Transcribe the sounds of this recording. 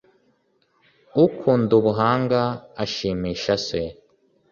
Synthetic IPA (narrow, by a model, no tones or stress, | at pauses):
ukʰuːnduβuɦaːŋɡaːʃiːmiːʃase